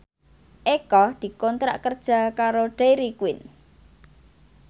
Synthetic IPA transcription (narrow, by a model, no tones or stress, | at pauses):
ʔekɔd̪̥i̤kɔnt̪ɾa̰ʔkərd̥ʒ̥a̤kaɾoɖ̥eɾikuwɪn